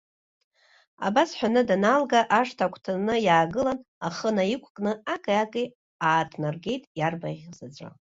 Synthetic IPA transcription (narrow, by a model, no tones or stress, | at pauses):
a̰basħʷᶣanɨdanalɡaʔaʂtʰakʷʰtʰanɨjaːɡɨlanaχənaikʷʰʼkʼnɨakʼaakʼi | aːtʰnarɡʲe̞jtʼjarbaʁʲzad͡ʒʷʼa̰